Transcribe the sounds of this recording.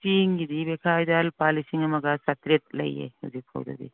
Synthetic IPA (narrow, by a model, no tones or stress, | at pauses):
t͡ʃiŋɡidibekʰajdalpalisiŋamaɡasat̪ɾet̚lɐ̰jḛhuzik̚pʰa̰wda̰dḭ